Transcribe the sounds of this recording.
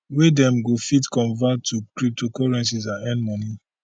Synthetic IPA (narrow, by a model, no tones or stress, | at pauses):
wedɛ̃mɡofitkɔ̃nvatʰukɾip̚tʰokɔɹɛ̃ns̬izãɛ̃nmɔni